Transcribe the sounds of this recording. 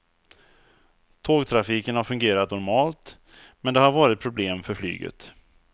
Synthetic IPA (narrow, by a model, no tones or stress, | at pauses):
t̪ʰoːɡt̪ʰɾafiːkənhaɾfɵŋɡeːɾat̪nɔɾmɑːlt̪ | mɛnd̪ɛhaɾvɑːɾɪt̪̚pʰɾʊbleːmfœɾfly̰ːɡə̰t̪